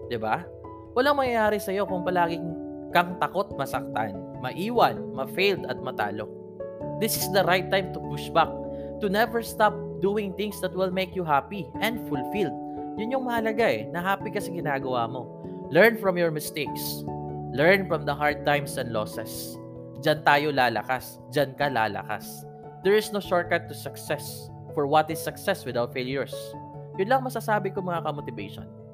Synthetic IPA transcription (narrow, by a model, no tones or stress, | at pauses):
d̪ɪba | wɐlaŋmɐŋɐjaːɾɛsɐjo̞kʊŋpɐlaːɡɪŋ | kɐŋt̪ɐko̞t̪̚mɐsɐk̚t̪a̰n | mɐʔiːwɐnmɐfejld̪ɐt̪̚mɐt̪a̰ːlo̞̰ | d̪ɪsɪsd̪ɐɾajt̪ːajmt̪ʊpʊʃbak̚ | t̪ʊnɛvɛɹst̪ap̚d̪uːɪ̃ŋt̪ɪ̃ŋsd̪ɐt̪̚wɪlmejkjuɦapiʔɛ̃nd̪fʊlfild̪̚jʊnɲjoŋmɐʔɐlɐɡaʔɛ̰nɐɦaːpikɐsɪɡɪnaːɡɐwa̰mo̞ | lɛɹnfɹɔmjɔɹmɪst̪ejkslɛɹnfɹɔmd̪ɐɦaɹd̪̚t̪ãjmsɛ̃nd̪losɛs | d͡ʒɐnt̪aːjolaːlɐ̰kas | d͡ʒɐnkɐla̰ːlɐ̰ka̰s | d̪ɛɹɪsnowʃoɹ̚kat̪ːʊsɐksɛs | fɔɹwɐt̪ɪsːɐksɛswɪd̪awt̪̚fejljʊɹsjʊnlɐŋmɐsasaːbɪkoŋmɐŋɐkɐmot̪ɪvḛjʃo̰n